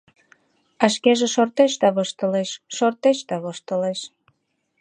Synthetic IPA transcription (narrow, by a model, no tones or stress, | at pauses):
ɑʃkeʒeʃort̪eʃd̪ɑβoʃt̪əleʃʃort̪eʃd̪ɑβoʃt̪əleʃ